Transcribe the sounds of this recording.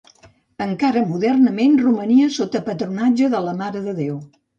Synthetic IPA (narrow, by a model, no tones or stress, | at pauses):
əŋkaɾəmuðɛrnəmenruməniəsot̪əpət̪ɾunad͡ʒəðələmaɾəðəðew